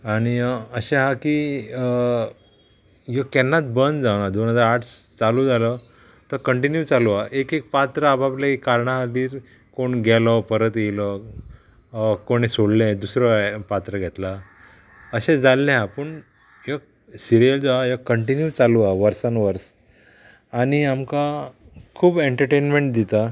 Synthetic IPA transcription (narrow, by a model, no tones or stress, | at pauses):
aɽ̃iəɕẽɦakiː | jəkɛnːat̪̚bənd̪d͡zaʋnad̪onɦəd͡zaɾaʈʰt͡salud͡zalɔt̪əkəɳʈinjut͡saluaʔekek̚pat̪ɾəabaapljaekːaɾɳaaliːɾ | koɳɡʱɛlɔpəɾət̪elɔ | koɽ̃esoɽlɛ̃d̪usɾɔpat̪ɾəɡʱɛt̪la | əɕẽd͡zalːɛ̃apəɳ | jek̚ | siɾijəld͡zoajekːəɳʈinjut͡saluaʋəɾsanʋəɾs | aɽ̃iamka | kʰuːbeɳʈəɾʈenmẽɳʈd̪it̪a